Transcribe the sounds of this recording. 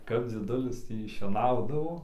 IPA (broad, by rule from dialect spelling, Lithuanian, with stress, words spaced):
kɐp d͡zʲiɛˈdʊlʲɪs ˈtʲiː ʃʲiɛˈnɐʊdɐʋoː